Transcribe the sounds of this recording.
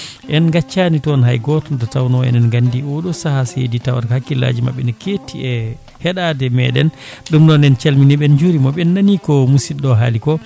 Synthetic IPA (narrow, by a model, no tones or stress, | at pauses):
ʔɛnɡat͡ʃːanitɔnɦajɡɔtɔndɔtawnɔɛ̰nɛnɡandiɔɗɔsahasḛditawa̰ɾkhakːila̰d͡ʒima̰ɓːɛnaketiɛ | hɛɗadɛmɛ̰ɗɛ̰nɗumnɔnɛnt͡ʃalminiɓɛnd͡ʒuɾimɔɓɛnːanikɔmusiɗɔɦalikɔ